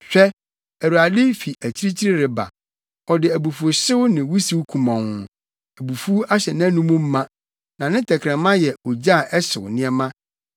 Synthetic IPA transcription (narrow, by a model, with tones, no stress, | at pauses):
ɕᶣɛ˦ | æ˨wu˨a˨dɪ˦fi˨ʔæ˨t͡ɕʰi˦ɾi˦t͡ɕʰi˦ɾɪ˦ɾɪ˨ba̰˨ | ɔ˨dɪ˨æ˨bu˨fu˨o˨ɕɪ˦wnɪ̃˨wu˦si˦wu˦kʰũ˨mã˨ŋʊ̃˨ | æ˨bu˨fu˦u˦a˦ɕɛ˨nã˦nũ˦mũ˦m̩˦mã˦ | nã˨nɪ̃˦tʰɛ˨kʰɾɛ̃˨mã˦jɛ˨ɔ˨d͡ʑa˦˨ʔɛ˦sɪ̰˨wnɪ̃˦ɛ˦mã˦